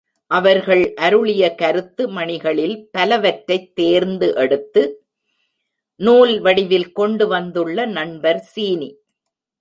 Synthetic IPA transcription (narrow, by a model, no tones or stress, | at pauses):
ʔɐʋɐɾɣɐɭʔɐɾɯɭɪjɐkɐɾɯt̪ːɯmɐɳɪɣɐɭɪlpɐlɐʋɐʈɾɐɪt̪ːeːɾnd̪ɯʔɛɽɯt̪ːɯ | nuːlʋɐɽɪʋɪlkɔɳɖɯʋɐnd̪ɯɭːɐnɐɳbɐɾsiːni